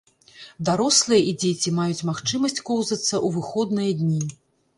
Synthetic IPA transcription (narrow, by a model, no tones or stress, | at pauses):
d̪aɾɔslˠɨjɐʔid͡zʲet͡sʲimajut͡sʲmaxt͡ʂɨmɐsʲt͡sʲkɔwzɐt̪sːɐʔuvɨxɔd̪nɨjɐd̪ʲnʲi